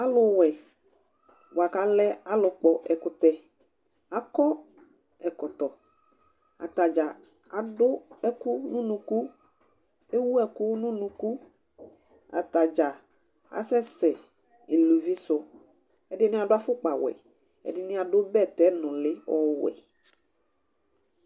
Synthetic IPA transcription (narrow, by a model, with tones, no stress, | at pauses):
a˦lʊ˦wɛ˨ | wo˨a˨ka˨˦lɛ˦a˦lʊ˨k͡pɔ˨ʔɛ˨kʊ˨˦t̪ɛ˦ | a˨kɔ˦ | ɛ˨kɔ˨t̪ɔ˨ | a̰˨t̪a˨d͡ʒa˨ | a˨dʊ˦ɛ˦kʊ˦nʊ̃˦nũ˨ku˦ | e˦wu˦ɛ˨kʊ˦nʊ̃˦nũ˨ku˦ | a̰˨t̪a˨d͡ʒa˨ | a̰˨sɛ˦sɛ˨ | i˨lu˨vi˦sʊ˨ | ɛ˨dɪ˦nɪ̃˦a˨dʊ˦a˦fʊ˦k͡pa˨wɛ̰˨ | ɛ̰˨dɪ˦nɪ̃˦a˨dʊ˦bɛ˦˨t̪ɛ˦nʊ̃˨lɪ˦ɔ˦wɛ̰˨